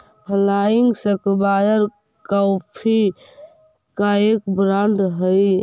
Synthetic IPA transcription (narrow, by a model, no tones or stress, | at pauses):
həlaiŋɡsəkbaːjəɾ | kawpʰi | kaekbɾaɳɖɦəj